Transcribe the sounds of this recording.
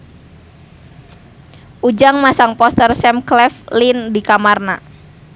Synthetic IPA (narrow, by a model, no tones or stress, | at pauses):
ʔud͡ʒaŋmasaŋpɔst̪ərsɛmklɛflindikamarna̰